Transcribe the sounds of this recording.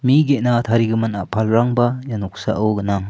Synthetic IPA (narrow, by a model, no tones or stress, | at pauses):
miɡenat̪ʰaɾiɡɯmɯna̰pʰalɾaŋbajanuk̚sa̰ʔɯwɡɯnaŋ